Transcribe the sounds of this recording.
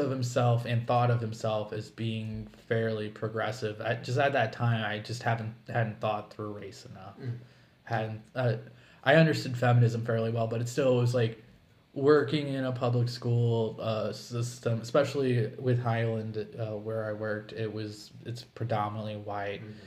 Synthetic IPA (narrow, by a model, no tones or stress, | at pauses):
ʌv̥hɨ̃msɛlˠfɨ̃nθɔɾʌv̥hɨ̃msɛlˠfɨzbiɪ̃ŋfɛɹlˠipʰɹ̥ɨɡɹɛsɪvɨ̥d͡ʒʌs̬tɨt̪̚ðɨtʰãɪ̃maɪd͡ʒʌst̚hæṽn̩hædⁿn̩θɔt̪̚θɹʉɹeɪsɨnʌf | hædⁿn̩tʌ | ʔaɪʌ̃ndə˞stʊd̥fɛmɨnɨzɨ̃ɱfɛɹliwɛlˠbʌɾɨtstɪlˠwʌzlaɪk | wɜ˞kɪ̃ŋɪ̃ñəpʰʌbləkskulˠʌsɪstɨ̃mɨspɛʃl̩ˠiwɪð̥haɪlˠə̃ndʌwə˞aɪwɜ˞k̚tʰɪt̚wʌz | ɨtspʰɹ̥ɨdɑmənətˡliwaɪt̚